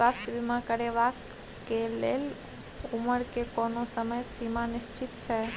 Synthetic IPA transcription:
at̪ʋimãkəɽeʋak | kːelel | uməɽkekɔnosəməjsimãnɪʃt͡ʃɪt̪t͡ʃʰe

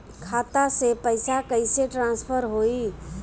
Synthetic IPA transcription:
kʰat̪asepəɪsakəɪseʈɾãnspʰəɾɦoi

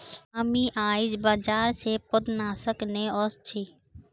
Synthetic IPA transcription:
əmiːʔaːɪd͡ʒbaːd͡ʒaːɾseːpʊd̪naːsəknẽːɔst͡ʃʰiː

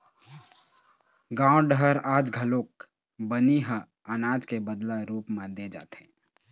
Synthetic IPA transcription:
ɡãːɖəɾaːd͡ʒɡʱəloːk̚ | bəniɦə | ənaːd͡ʒkebəd̪laɾuːpmãd̪ed͡ʒa̰ːt̪ɛ̃ː

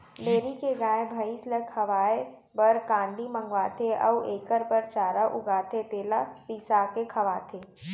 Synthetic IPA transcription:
meːɾikeɡãːẽbʱəɪsləkhəʋaːe | bɐɾkãːnd̪ʱimə̃ŋɡʋaːt̪ʰeʔə̰uʔeːkəɾpəɾt͡ʃaːɾaʔʊɡaːt̪ʰet̪eːlapiːsaːkekʰɐʋaːt̪ʰeː

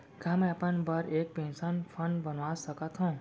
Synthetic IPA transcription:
kaːmɛ̃ɐpənbaɾeːk̚pẽːnsənpʰənbənʋaːsəkət̪ɦũː

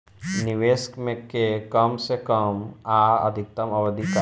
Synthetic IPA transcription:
niʋeːskmẽkekəmsekəmaɐ̰d̪ʱɪk̚t̪ɐmɐwəd̪ika

